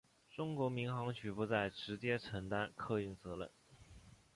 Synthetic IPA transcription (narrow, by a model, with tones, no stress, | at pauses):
ʈ͡ʂʊ˥ŋkwɔ˧˥mi˧˥ŋxɑ˧˥ŋt͡ɕʰy˨˩pu˧t͡sa˥˩ɪʈ͡ʂɻ̩˧˥t͡ɕjɛ˥ʈ͡ʂʰɤ˧˥ŋt̪a˥nkʰɤ˥˧y˥˩nt͡sɤ˧˥lə̰˨˩˦n